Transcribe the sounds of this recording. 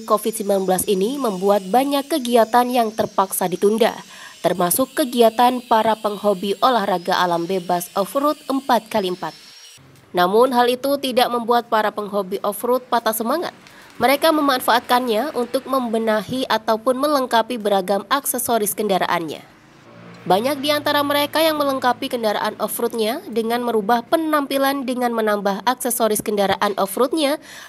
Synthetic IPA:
kofit̪̚simblanbəlasiniməmbuat̪̚baɲakːəɡiat̪anjaŋt̪ərpaksadit̪unda̰ | t̪ərmasʊkːəɡiat̪anpaɾapəŋhobiʔolahraɡaʔalambebasɔfɾut̪̚əmpat̪̚kaliəmpat̪̚ | namʊnɦalit̪ut̪idaʔməmbuat̪̚paɾapəŋɦobiʔɔfɾʊt̪̚pat̪asəmaŋa̰t̪̚ | məɾekaməmanfaːt̪̚kanɲaʔunt̪ʊk̚məmbənahiʔat̪awpʊnmələŋkapibəɾaɡamaksɛsoɾɪskəndaɾa̰ʔa̰nɲa̰ | baɲak̚diant̪aɾaməɾekajaŋmələŋkapikəndaɾa̰ʔanɔfɾut̪̚ɲadəŋanməɾubahpənampilandəŋanmənambaɦaksɛsoɾɪskəndaɾaʔanʔɔfɾut̪̚ɲa

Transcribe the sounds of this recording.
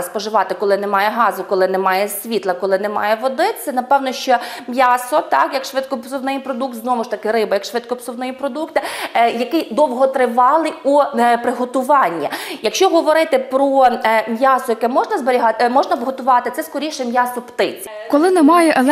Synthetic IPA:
spɔʒɪʋɑt̪ɪkɔlˠɪnɛmɑjɛɦɑzʊkɔlˠɪnɛmɑjɛsʲʋʲit̪lˠɐkɔlˠɪnɛmɑ̰jɛʋɔd̪ɪsɛnɐpɛwnɔʃt͡ʃɔmʲjasɔt̪ɑkjɐkʃʋɪt̪̚kɔpsʊwnɪjipɾɔd̪uk̚t̪znɔmʊʃt̪ɐkɪɾɪbɐjɐkʃʋɪt̪̚kɔpsʊwnɔjipɾɔd̪ukt̪ɪjɐkɪjd̪ɔwɦɔt̪ɾɪʋɑlˠɪupɾɪɦɔt̪ʊʋɑnʲːijɐkʃt͡ʃɔɦɔʋɔɾɪt̪ɪpɾɔmʲjɑsʊjɐkɛmɔʒnɐzbeɾʲiɦɑtmɔʒnɐbɦɔt̪ʊʋɑt̪ɪt̪sɛskɔɾʲijʃɛmʲjasɔpt̪ɪt͡sʲi | kɔlˠɪnɛmɑjɛʔɛlˠ

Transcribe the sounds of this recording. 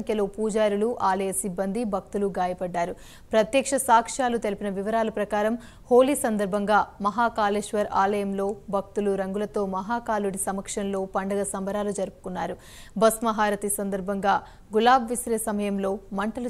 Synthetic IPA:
ŋkjɐloːpuːd͡ʒaːɾuluʔaːlɐjɐsibːɐnd̪ibʱɐk̚t̪uluɡaːjɐpɐɖːaːɾu | pɾɐt̪jɐkʂɐsaːkʂaːlut̪e̞lipinɐʋiʋɐɾaːlɐpɾɐkaːɾɐm | ho̞ːlisɐnd̪ɐɾbʱɐŋɡaːmɐɦaːkaːleːʂʋɐɾaːlɐjɐmlo̞ːbʱɐk̚t̪uluɾɐŋɡulɐt̪o̞ːmɐɦaːkaːluɽisɐmɐkʂɐnlo̞ːpɐɳɖɐɡɐsɐmbɐɾaːlud͡ʒɐɾupu̥kunːaːɾu | bɐsmɐɦaːɾɐt̪isɐnd̪ɐɾbʱɐŋɡaː | ɡulaːbʋisɾeːsɐmɐjɐmlo̞ːmɐɳʈɐlu

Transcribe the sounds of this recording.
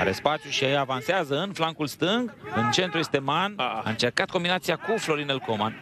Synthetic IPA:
a̰ɾe̞spat̪t͡ʃ̪ʲjuʃiaavanseazəɨnflaŋkulst̪ɨŋɡɨnt͡ʃe̞nt̪ɾuest̪e̞mana̰ɨnt͡ʃe̞rkat̪̚ko̞mbinat̪siakuflo̞ɾinelko̞man

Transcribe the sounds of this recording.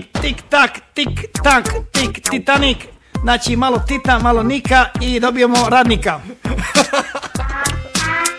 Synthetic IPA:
kt̪ikt̪akt̪ikt̪akt̪ikt̪it̪anik | nat͡ʃimalɔt̪it̪amalonikaid̪obijomoɾad̪nika

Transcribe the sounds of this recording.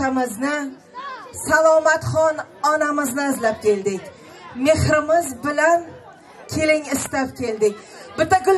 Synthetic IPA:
amɪznɪ | salˠɒmat̪χɒnɒnamɪznɪɪzlap̚kʲʰe̞ld̪ɪkʲ | me̞hɾɪmɪzbɪlan | kʲʰe̞lɪŋɪst̪ap̚kʲe̞ld̪ɪk̚ʲ | bɪt̪ːaɡʊl

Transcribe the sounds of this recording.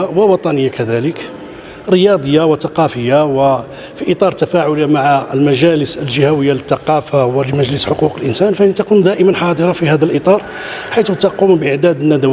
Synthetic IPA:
wəwɑt̪ˤɑnəjːakæd̪ælək | ɾəjɑd̪ˤəjːawət̪ɑqɑfəjːawə | fiʔət̪ˤɑɾˤt̪æfæʕʊlamaʕaəlmæʒæləsəlʒəhæwəjːalət̪ːɑqɑfawəlməʒləsħoquqəlʔənsænfæʔnit̪ækund̪æʔəmənħɑd̪ˤəɾˤɑfihæd̪əlʔət̪ˤɑɾˤ | ħajt̪t̪ɑqumbʔəʕd̪æd̪ənːæd̪æw

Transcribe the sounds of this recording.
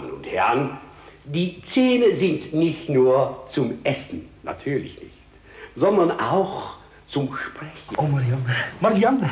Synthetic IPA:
nʊ̰nthɛɐn | diːt͡seːnəzɪntnɪçtnuːɐt͡sʊmʔɛsn̩na̰tʰyːɐlɪ̰çnɪ̰çt | zɔndɐnʔa̰ʊx | t͡sʊmʃpʁ̥ɛçʔoːmaɾjanmaɾjan

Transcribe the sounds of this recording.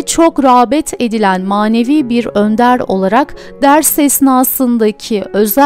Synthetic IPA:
t͡ʃʰo̞kɾaːbɛt̪ʰe̞d̪ilʲænmaːne̞viːbiɾø̞nd̪æɾo̞̰lˠaɾak | d̪æɾsɛsnaːsɯnd̪acʰiø̞z

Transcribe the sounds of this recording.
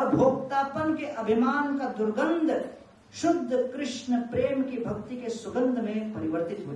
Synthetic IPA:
ɐbʱoːk̚t̪aːpənkeʔɐbʱimaːnkad̪ʊɾɡənd̪ʱ | ʃʊd̪ʱːəkɾɪʃɳəpɾeːmkibʱɐkt̪ikeswɐɡənd̪ʱmẽpɐɾɪʋəɾt̪ɪt̪ɦoːd͡ʒ

